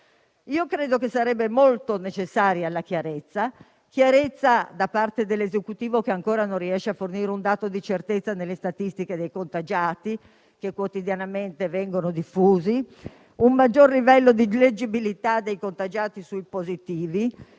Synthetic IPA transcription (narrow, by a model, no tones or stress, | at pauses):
iːokɾeːd̪okesːaɾɛbːemolt̪onet͡ʃesːaːɾjalːak̟jaɾet̪sːa | kjaɾet̪sːad̪apːart̪ed̪elːezekut̪iːvokeaŋkoːɾanõrːiɛʃːeafːorniːɾeund̪aːt̪od̪it͡ʃert̪et̪sːanelːest̪at̪ist̪iked̪ejkont̪ad͡ʒaːt̪i | kekːwot̪id̪janament̪evɛŋɡonod̪ifːuːzi | ummad͡ʒːorlivɛlːod̪iled͡ʒibilit̪ad̪ejkont̪ad͡ʒaːt̪isuipozit̪iːvi